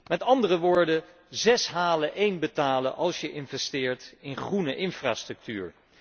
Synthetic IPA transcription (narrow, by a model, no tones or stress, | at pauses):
mɛtɑndərəʋʊːɹdə | zɛsɦaːləʔejnbətaːləʔɑlˠsjəʔɪnvɛstɪːɹtɪnχrunəʔɪnfra̰ːstrɵk̚ty̰ːɹ